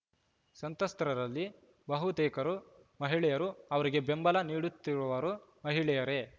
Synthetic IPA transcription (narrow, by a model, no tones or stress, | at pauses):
sɐnt̪ɐst̪ɾɐɾɐlːi | bɐɦut̪ɛːkɐɾu | mɐɦiɭɛjɐɾuɐʋɐɾiɡe̞be̞mbɐlɐniːɽut̪ːiɾuʋɐɾumɐɦiɭɛjɐɾe̞